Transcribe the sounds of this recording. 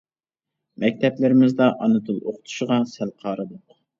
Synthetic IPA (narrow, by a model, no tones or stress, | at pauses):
mɛk̚ʲt̪ʰɛplɪɾɪmɪzd̪ɑʔɑnɨt̪ʰɨlˠoqʰʊ̥t̪ʰu̥ʃɪʁɑsælqʰɑːɾɨd̪oq